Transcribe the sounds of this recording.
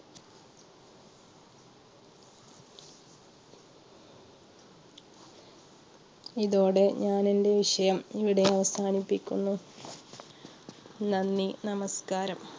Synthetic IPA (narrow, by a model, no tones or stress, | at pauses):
iðo̞ːɽe̞ɲaːninde̞ʋiʂɐjɐmiʋiɽe̞ɐʋɐsaːnipːikʲːunːu | nɐnːinɐmɐskaːɾɐm